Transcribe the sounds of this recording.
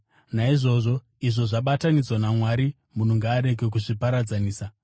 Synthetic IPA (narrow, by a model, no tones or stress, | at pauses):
naiʐo̞ːʐo̞ | iʐo̞ʐaɓatanid͡zwanamwaɾi | mun̤uŋɡaːɾe̞ɡe̞k̬uʐipaɾad͡zaniːsa